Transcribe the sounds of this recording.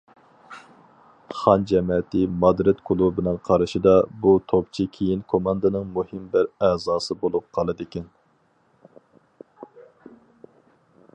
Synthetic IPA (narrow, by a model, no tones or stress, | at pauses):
χɑnd͡ʒɛmɛt̪ʰɪmɑd̪ɾɪt̪kʰʊlˠubɪnɪŋqʰɑɾɨʃɪd̪ɑbut̪ʰopt͡ʃʰikʲʰejinkʰomɑnd̪ɨnɨŋmuhɪmbæɾæzɑːsɨbolˠup̚qʰɑlˠɨd̪ɪkʲɛn